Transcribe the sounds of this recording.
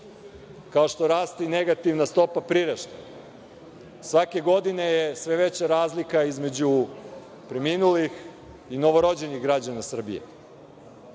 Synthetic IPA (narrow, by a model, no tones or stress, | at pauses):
kao̞ʃt̪o̞ɾaːst̪ine̞ɡat̪iʋnast̪o̞papɾiɾaʃt̪e | sʋake̞ɡo̞d̪ine̞jesʋe̞ʋe̞t͡ɕaɾaːzlikaizme̞d͡ʑu | pɾeminulix | ino̞ʋo̞ɾo̞d͡ʑe̞niɣɡɾad͡ʑanasr̩bḭje̞̰